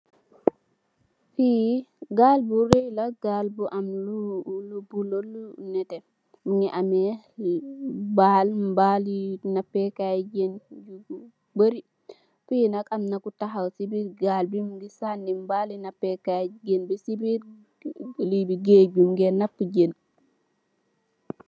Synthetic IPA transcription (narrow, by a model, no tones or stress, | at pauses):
fiɡalbuɾejlaɡalbuʔamlulubulolunɛtɛ | muŋɡiʔamɛ | libalmbalinapːɛkajd͡ʒend͡ʒu | bəɾi | fujinakamnakutaɦawsibiɾɡalbimɡisanːimbalinapːɛkaɡenbisibiɾ | libiɡed͡ʒumɡɛnapːud͡ʒen